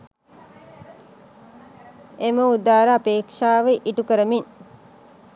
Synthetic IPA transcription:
eməud̪aːɾəapeːkʂaːʋeʔiʈukəɾəmin

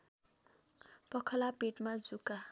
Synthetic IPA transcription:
pʌkʰʌlapeʈmad͡zuka

